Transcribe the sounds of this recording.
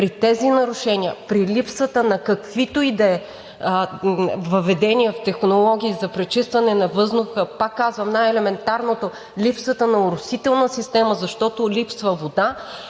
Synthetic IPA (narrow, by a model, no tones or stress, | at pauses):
pɾit̪ɛzinɐɾʊʃɛnʲiəpɾilipsvət̪ənɐkɐkvit̪oid̪ɐɛ | vəvɛd̪ɛniɛft̪ɛxnolˠɔɡʲiːzɐpɾɛt͡ʃist̪vɐnɛnɐvɤznʊxəpakːazvɐmnajɛlɛmɛnt̪aɾnot̪o | lipsvət̪ənɐʊɾʊsit̪ɛlˠnəsist̪ɛməzɐʃt̪ɔt̪olipsvəvod̪a